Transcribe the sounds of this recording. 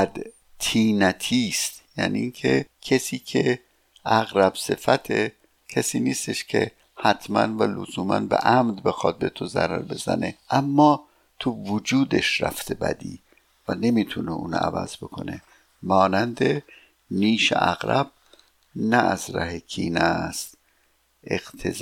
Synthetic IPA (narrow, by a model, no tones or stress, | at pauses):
æd̪ | t̪ʰiːnæt̪ʰiːst̪jæːniːiŋcʰe̞cʰesiːcʰe̞ | ʔæɣɾæb̥se̞fæt̪ʰe̞ | cʰesiːniːst̪e̞ʃcʰe̞̰ | hæt̪ʰmæ̰nvælo̰zuːmænbḛʔæmd̪be̞xɒt̪̚be̞t̪ʰozæ̰ɾæɾbe̞zæ̰ne̞ʔæmːɒː | t̪ʰuvod͡ʒuːd̪e̞ʃræ̰ft̪ʰe̞bæ̰d̪ḭː | væne̞miːt̪ʰuneʔuːnæ̰væ̰zbo̞kʰo̞ne | mɒːnænd̪e̞ | niːʃḛʔæɣɾæb̥̚ | nææzɾæɦekʰiːnæst̪ | eɣ̥t̪ʰez